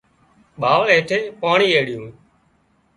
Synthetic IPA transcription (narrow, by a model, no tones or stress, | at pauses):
ɓʱaːʋɦeːʈʰeːpaːɳiːeːɽɪjũː